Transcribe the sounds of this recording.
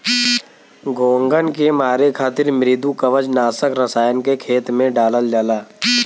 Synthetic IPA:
ɡoːŋɡənkemaːɾekʰaːt̪ɪɾmɾɪd̪ukəʋəd͡ʒnaːsəkɾəsaːjənkekʰeːt̪mẽɖaːləld͡ʒaːlaː

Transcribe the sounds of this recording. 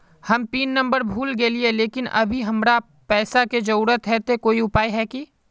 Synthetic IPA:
hɐmpiːnːɐ̃mbəɾbʱuːlɡəelieleːkɪnɐ̰bʱiɦɐmɾa | pɛːsaked͡ʒɐɾuːɾət̪ɦɛt̪ekoːiʊpaːiɦɛːki

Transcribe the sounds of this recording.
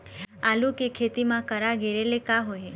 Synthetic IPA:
alukekʰet̪imãkəɾaɡeɾelekaɦoje

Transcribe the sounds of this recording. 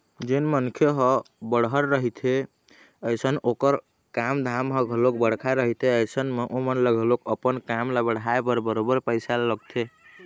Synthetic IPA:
d͡ʒenmənkʰjeɦɔ | bəɽɦəɾɾəɦit̪ʰe | əjsənokəɾ | kamd̪ʱamɦəɡʱəlok̚bəɽ̤kʰaɾəɦit̪ʰeəjsənmeʔomənləɡʱlokəpənkamlabəɽɦaepəɾbəɾobəɾpəɪsaləɡt̪ʰe

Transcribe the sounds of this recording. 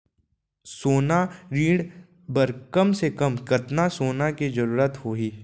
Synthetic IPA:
soːnaɾiːɽ | bəɾkɐmsekɐmkɐt̪nasoːnakid͡ʒɐɾuːɾət̪hoːɦiː

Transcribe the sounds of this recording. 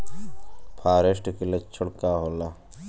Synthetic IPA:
pʰaːɾesʈkilet͡ʃʰʊɽkaːɦoːlaː

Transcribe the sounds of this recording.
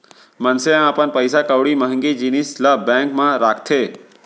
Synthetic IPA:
mənseãapənpəjsakəʋɽiməɦə̃ŋɡid͡ʒinislabɛ̃ːŋkmãɾaːkʰt̪ʰeː

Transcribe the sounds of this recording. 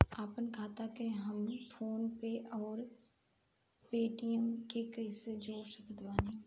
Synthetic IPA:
aːpənkʰaːt̪akeɦɐmʈʰoːnpeʔɔːɾ | peːʈijəmkekɐised͡ʒoːɾsəkd̪baːnĩ

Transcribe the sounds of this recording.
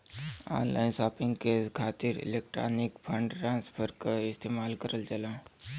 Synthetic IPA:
a̰ːnla̰ːɪnsaːpɪ̃ŋɡkekʰaːt̪iɾɪ̰leːk̚ʈɾa̰ːnɪkpʰə̃ɳɖʈɾãːnspʰəɾkaɪst̪eːmaːlkəɾəlt͡ʃəlãː

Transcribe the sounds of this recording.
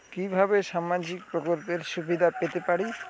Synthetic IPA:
kibʱabeʃamad͡ʒik̚pɾokolpeɾʃubid̪ʱapet̪epaɽi

